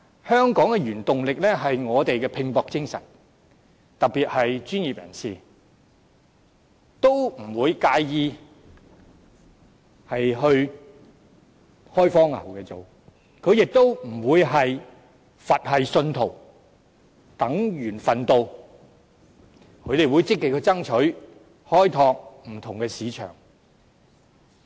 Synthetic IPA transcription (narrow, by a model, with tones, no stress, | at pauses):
hœː˥ŋkɔː˨˥ŋkɛ˧jyː˨˩nt̪ʊ˨ŋlɪ˨k̚lɛː˥ɦɐ˨jŋɔː˨˧t̪e˨jkɛː˧pʰɪ˧ŋpɔː˨˧k̚t͡sɪ˥ŋsɐ̰˨˩n | t̪ɐ˨k̚pːiː˨t̚hɐ˨jt͡ʃyː˥nji˨p̚jɐ̰˨˩nsiː˨ | t̪o˥wm̩˨˩wuː˨˧jkaː˧jjiː˨˧ | hɐ˨jɦɵ˧ɥ | hɔː˥jfɔː˥ŋlɐ̰˨˩wkɛː˧t͡so˨w | kʰɵ˨˧ɥjɪ˨k̚t̪o˥wm̩˨˩wuː˨˧jɦɐ˨j | fɐ˨t̚hɐ˨jsɵ˧nt̪ʰo˨˩w | t̪ɐ˨˥ŋjyː˨˩nfɐ˨nt̪o˨˧w | kʰɵ˨˧ɥt̪e˨jwuː˨˧jt͡sɪ˥kːɪ˨k̚kʰːɵ˨˧˥t͡sɐ˥ŋt͡ʃʰɵ˨˥ɥ | hɔː˥jt̪ʰɔː˧k̚m̩˨˩t̪ʰʊ˨˩ŋkɛː˧siː˨˧t͡ʃʰœ̰ː˨˩ŋ